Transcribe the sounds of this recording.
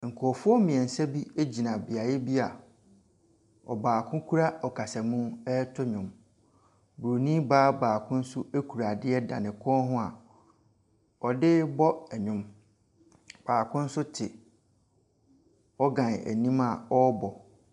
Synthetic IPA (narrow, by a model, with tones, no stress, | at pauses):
ŋ̩˨kʰʊ˨ɔ˨fʊ˦ɔ˦mĩ˨ɛ̃˨n̩˨sɛ˦bi˦e˦d͡ʑi˨nã˨bi˨a˨jɛ˦bi˦a˨ | ɔ̰˨baː˨kʰʊ̃˦kʰu˦ɾa˦ɔ˨kʰa˨sa˨mũ˦ɛ˦tʰʊ˦ɲʊ̃˨m | bu˨ɾo˨nĩ˦baː˦baː˨kʰʊ̃˦n̩˦sʊ˦e˦kʰu˨ɾa˨dɪ˦ɛ˦dã̰˨nɪ̃˨kʰɔ̃˦ɦʊ̃˦a˨ | ɔ˨dɪ˦bɔ˦ɛ˨ɲʊ̃˦m | b̥aː˨kʰʊ̃˦n̩˦sʊ˦tʰɪ˨ | ɔ˦ɡã˨næ̰˨nĩ˦ma˨ɔ˦bɔ˨